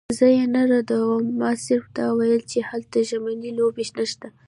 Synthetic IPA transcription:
zəjenaɾad̪awəmːɑsɪɾfd̪awajəlt͡ʃehalt̪aʒamanilobeʃnaʃt̪a

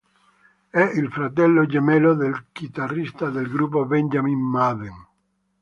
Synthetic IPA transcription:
ɛilfɾat̪ɛlːod͡ʒemɛloðelkit̪arist̪aðelɡɾup̬oβɛnd͡ʒamimmaðeŋ

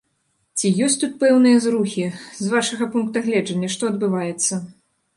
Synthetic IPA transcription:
t͡sʲijɔsʲtʲt̪ut̪̚pɛwnɨjɐzɾuxʲizvaʂɐɣɐpunkt̪ɐɣlʲɛd͡ʐɐnʲːɐʂt̪ɔɐd̪̚bɨvajɛt̪sːɐ

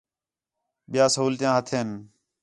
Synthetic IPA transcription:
ɓɪjaːsəɦuːlt̪ɪjãːɦət̪ʰeːn

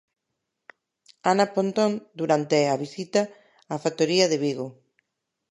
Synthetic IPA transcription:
anapont̪ond̪uɾant̪eaβisit̪ɐː | fat̪oɾiɐðeβiɣo

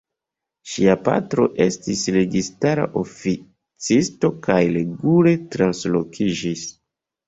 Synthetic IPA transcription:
ʃiapa̰tɾo̞ʔe̞stisɾe̞ɡistaɾa̰ʔo̞fi | t͡sisto̞kajle̞ɡule̞tɾanslo̞kʰid͡ʒis

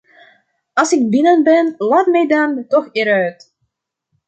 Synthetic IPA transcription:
ɑlˠsɪɡ̚bɪnənbɛnlaːtmɛjdantɔxeːɾœɥt

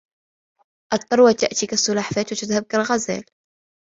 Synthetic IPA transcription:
ʔɑt̪ˤːɑɾˤwat̪aʔt̪iːkasˤːʊlaːħfaːt̪wat̪ɪðhab̚kalɣaza̰ːl

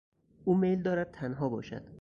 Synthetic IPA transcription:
ʔuːmejld̪ɒːɾæd̪̥̚t̪ʰænɦɒːbɒ̰ːʃæ̰d̪̥

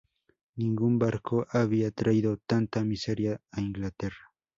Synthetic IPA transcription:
nɪŋɡʊmbaɾkʰoʔaβiat̪ɾaid̪ot̪ant̪amɪseɾjaɪŋɡlat̪eɾḁ

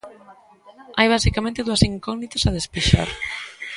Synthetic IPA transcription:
ajβ̞asikamẽnt̪eðuɐsiŋkɔɡnit̪ḁsað̞espiʃa̰ɾ

